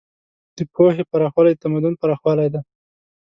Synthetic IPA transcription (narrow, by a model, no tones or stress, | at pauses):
d̪̥əpʰohepaɾɑxwɑlajd̪t̪amad̪ʊnpaɾɑxwɑlajd̪a